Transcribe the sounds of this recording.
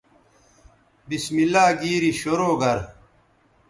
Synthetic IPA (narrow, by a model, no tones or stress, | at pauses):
bismilaːɡiːɾiɕoɾoːɡɐɾ